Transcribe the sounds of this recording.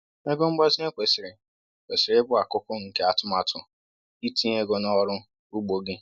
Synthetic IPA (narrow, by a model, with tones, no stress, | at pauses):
e˦ɡo˦ŋ͡m̩˦ɡ͡bɔ˦zi˦e˦kʷe˨sɪ˨ɾɪ˨ | kʷe˨sɪ˨ɾe˦ɡ͡bʊ˦a˨kʊ˦kʊ˦ŋ̩˨ke˦a˨tʊ˦ma˨tʰʊ˨ | i˦tĩ˦e˦ɡo˨nɔ˦ɾʊ˦ | u˦ɡ͡bo˨ɡɪ˦